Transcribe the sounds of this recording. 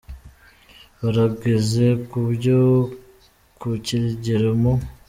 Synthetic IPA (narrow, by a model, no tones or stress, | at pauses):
βaɾaɡezekubɟo | kuciɾiɟiɾemo